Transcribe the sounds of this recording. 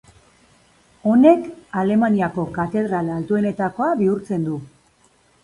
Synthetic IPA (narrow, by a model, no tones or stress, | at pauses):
o̞ne̞kale̞maniako̞kat̪e̞ð̞ɾalalt̪ue̞ne̞t̪ako̞aβiuɾt͡se̞nd̪u